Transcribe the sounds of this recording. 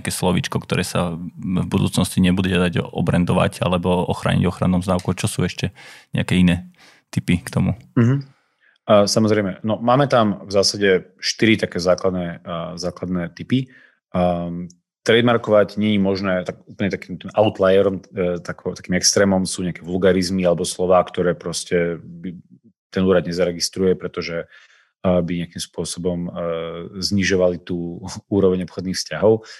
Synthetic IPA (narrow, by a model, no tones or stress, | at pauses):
akɛːslɔʋḭt͡ʃkɔkt̪ɔɾʔɛːsavbud̪uːt͡snɔsciɲɛbud̪ɛad̪aɟɔ̰bɾɛnd̪ɔʋa̰ɟa̰lɛbɔɔxɾa̰ːɲḭɟɔxɾanɔmzd̪aʊkut͡ʃɔsṵːɛʃcɛɲɛ̰akɛːinɛː | t̪ipikt̪ɔmum̩ɦ̩ | samɔzɾɛjmɛnɔmaːmɛt̪amvzaːsaɟɛʃt̪iɾit̪akɛːzaːklad̪nɛzaːklad̪nɛt̪ipi | t̪ɾɛd̪maɾkɔʋaɟɲɛɲimɔʒnɛːt̪aɡuːpl̩ɲɛt̪akiːmt̪iːmʔaʊt̪lajɛɾɔmt̪akt̪ḁkiːmɛkst̪ɾɛːmɔmsuːɲɛakɛʋulɡaɾizmialɛbɔslɔʋaːkt̪ɔɾɛːpɾɔscɛbi | t̪ɛnuːɾad̪ɲɛzaɾɛɡist̪ɾujɛpɾɛt̪ɔʒɛ | biɲɪakimspʊɔsɔbɔm | zɲiʒɔʋalit̪uːuːɾɔʋɛɲɔpxɔd̪niːxfscaɦɔʊ